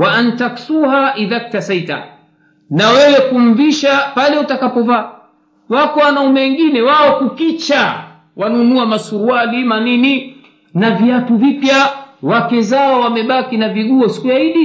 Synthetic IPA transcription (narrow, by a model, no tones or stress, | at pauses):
waʔantaksuhaʔiðak̚tasaita̰ | nawɛwɛkum̩viʃapalɛutakapɔvaː | wakɔwanaumɛwɛŋɡinɛwaɔkukit͡ʃa | wanunuamasuɾualimanini | naviatuvipjawakɛzaɔwamɛɓakinaviɠuɔsi̥kujaiɗi